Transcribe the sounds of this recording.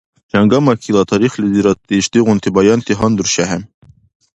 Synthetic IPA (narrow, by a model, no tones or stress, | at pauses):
t͡ʃɑŋɡɑmɑkʰilˠɑt̪ʰɑɾixliziɾɑt̪ːiʃt̪iɣunt̪ʰibɑjɑnt̪ʰiɦɑnd̪uɾʃæɦɛn